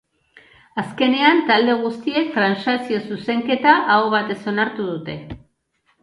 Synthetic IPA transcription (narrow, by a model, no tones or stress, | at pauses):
aske̞ne̞ant̪ald̪e̞ɣ̞ust̪ie̞kt̪ɾansasio̞suse̞ŋke̞t̪aʔaoβ̞at̪e̞so̞naɾt̪uð̞ut̪e̞